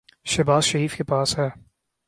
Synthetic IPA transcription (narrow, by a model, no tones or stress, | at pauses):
ʃɐbaːzʃɐɾiːfkepaːsɦɛː